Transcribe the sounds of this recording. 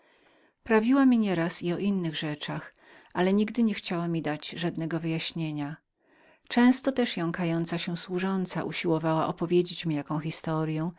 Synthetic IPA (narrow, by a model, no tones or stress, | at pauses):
pɾavʲiwamʲiɲɛɾasiɔʔinːɘɣʐɛt͡ʂax | ʔalɛɲiɡd̪ɘɲɛxt͡ɕawamʲid̪ad͡ʑʐad̪nɛɡɔvɘjaɕɲeɲa | t͡ʂɛ̃w̃st̪ɔt̪ɛʂjɔ̃w̃kajɔnt̪saɕɛswuʐɔnt̪sa̰ʔuɕiwɔvawaʔɔpɔvʲjed͡ʑet͡ɕmʲijakɔ̃w̃xʲist̪ɔɾjɛ̃